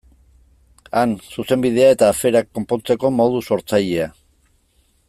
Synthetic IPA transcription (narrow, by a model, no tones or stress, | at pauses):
ansuse̞mbið̞e̞ae̞t̪aːfe̞ɾakːo̞mpo̞nt͡se̞ko̞mo̞ðuso̞ɾt͡saʎe̞a